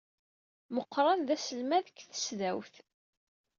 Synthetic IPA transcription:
məqːɾˤɑnðæsəlmæðəkːθə̥sðæwθ

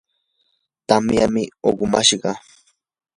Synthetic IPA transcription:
t̪amjamɪoɢʊmaʃɢɑ

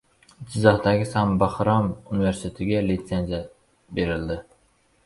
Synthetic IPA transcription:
d͡ʒʰɪzɒhd̪aɡʲɪsambaχɾɑmʊnɪveɾsɪ̥t̪ʰet̪ʰɪɡʲalit̪senzija | be̞ɾɪld̪ɪ

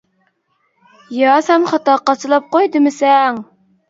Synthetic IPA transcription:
jɑsɛmχɑt̪ɑqɑsɨlˠɑp̚qojd̪ɨmɪsɛŋ

